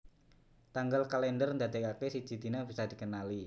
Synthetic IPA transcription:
t̪aŋɡalkalɛndərnd̪ad̪ɛkakesi̥d͡ʒ̥i̤d̪inabisad̪̥i̤kənali

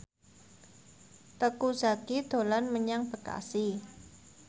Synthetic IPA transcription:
t̪əkuz̥aɡid̪̥o̤lanməɲaŋb̥ə̤ka̰si

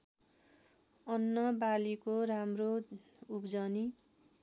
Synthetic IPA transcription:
ʌnːʌbalikoɾamro | upd͡zʌni

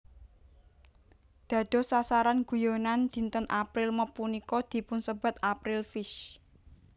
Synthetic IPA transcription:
d̪̥ä̤d̪̥o̤sasaɾanɡ̥ṳjonand̪̥i̤nt̪ənʔapɾɪlməpunikɔd̪̥i̤pʊnsəb̥a̤t̪apɾɪlfɪʃ

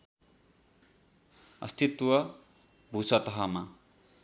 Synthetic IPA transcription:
ʌ̰st̪ʰit̪wʌ | bʱusʌt̪ʌɦama

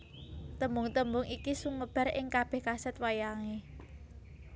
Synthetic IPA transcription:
t̪əmbʊŋt̪əmbʊŋikisuŋəb̥a̤ɾɪ̰ŋkab̥ɛ̤hkasɛt̪̚wajaŋe

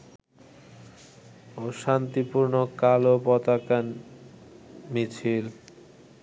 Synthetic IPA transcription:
oʃant̪ipuɾnokalopɔt̪akan | mit͡ɕʰil

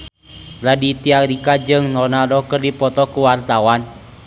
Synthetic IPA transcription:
ladit̪iaɾikad͡ʒɨŋnɔnadɔkərdipɔt̪ɔkuwart̪awan

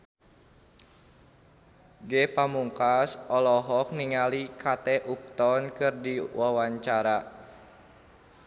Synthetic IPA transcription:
ɡɛpamuŋkasɔlɔɦɔk̚niŋalikʰat̪ɛʔup̚t̪ɔnkɨrdiwawaɲt͡ʃaɾa

